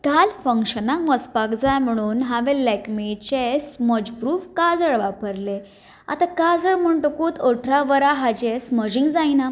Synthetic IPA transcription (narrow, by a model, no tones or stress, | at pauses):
kalfəŋkɕənãkʋəspakd͡zajm̤əɽ̃uːnɦaʋelɛkmet͡ɕesməd͡ʑpɾuːfkad͡zəɭʋapəɾle | a̰t̪akad͡zəɭm̤əɳʈ̪əkuːt̪ʰəʈʰɾaʋəɾaɦad͡ʑesməd͡ʑiŋɡd͡zajna